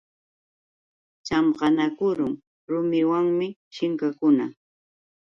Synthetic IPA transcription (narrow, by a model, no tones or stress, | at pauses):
t͡ʃamɢɑnakʊɾʊŋ | ɾʊmɪwaŋmɪʃɪŋkakʊna